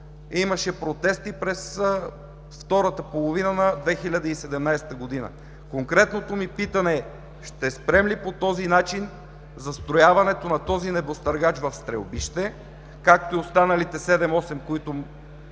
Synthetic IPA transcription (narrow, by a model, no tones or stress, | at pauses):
imɐʃɛpɾot̪ɛst̪ipɾɛs | ft̪ɔɾət̪əpolˠovinənɐd̪vɛxilʲɐd̪əisɛd̪ɛmnajsɛ̥t̪əɡod̪inə̰ | koŋkɾɛt̪not̪omipit̪ɐnɛ | ʃt̪ɛspɾɛmlipot̪ɔzinat͡ʃin | zɐst̪ɾojavɐnɛt̪onɐt̪ɔzinɛbost̪ɐɾɡat͡ʃvɐfst̪ɾɛ̰lbiʃt̪ɛ | kak̚t̪oiost̪anɐlit̪ɛsɛd̪ɛmɔsɛmkoit̪o